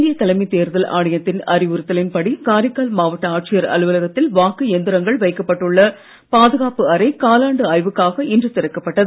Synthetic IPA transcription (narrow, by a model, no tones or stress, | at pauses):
d̪ɪjɐt̪ɐlɐmit̪eːɾðɐla̰ːɽɐjɐt̪ːɪnɐ̰ɾɪʋʊɾɯt̪ːɐlɪnpɐɽikaːɾɪkːaːlmaːʋɐʈːɐaːʈ̚t͡ʃɪjɐɾɐ̰lɯʋɐlɐɣɐt̪ːɪlʋaːkːɯɛnd̪ɪɾɐŋɡɐɭʋɐɪkːɐpːɐʈːɯɭːɐ | paːðɯɣaːpɯɐɾɐɪkaːlaːɳɖɯɐːɪʋɯkːaːɣɐɪndrɯt̪ɪɾɐkːɐpːɐʈːɐðɯ